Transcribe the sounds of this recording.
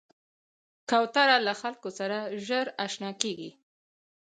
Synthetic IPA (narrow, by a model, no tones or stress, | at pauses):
kawt̪aɾalaxalkosaɾaʒəɾaʃnɑkeɡḭ